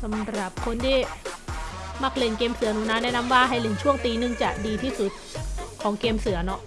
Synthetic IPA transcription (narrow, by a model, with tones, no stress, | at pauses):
sa˩˦mɾa˨˩p̚kʰo˧nt̪ʰiː˥˩ | ma˦˧˩k̚li˧˩ənkeː˧msɯ˨˩˦nuː˨˩naː˦˥nɛː˥˩˨na˧˥mwaː˥˩ɦa˥˩jlɯ˨˩˦ŋt͡ɕʰu˥˩əŋt̪iː˧nɯ˧ŋt͡ɕa˨˩ʔdiː˧t̪ʰiː˥˩su˨˩t̪̚kʰɔː˩˦ŋkeː˧msɯ˨˩˦ɐnɔ˦˥ʔ